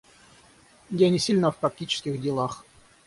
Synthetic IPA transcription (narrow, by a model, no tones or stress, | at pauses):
jʲanʲɪsʲilʲnəfpɾɐk̚tʲit͡ɕɪ̥skʲɪxdʲɪlˠax